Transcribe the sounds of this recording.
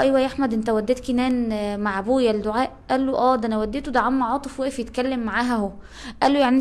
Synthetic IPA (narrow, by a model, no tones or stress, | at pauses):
ʔæjwæjʔaħmæd̪ʔent̪æwæd̪ːeːt̪̚kinæːnmaʕbuːjæld̪oʕaːʔʔælːoʔæːd̪ænæwæd̪ːet̪od̪aʕamːɑʕɑːt̪ˤefwæʔefjet̪kælːemːaʕaːɦæho | ʔælːojaʕni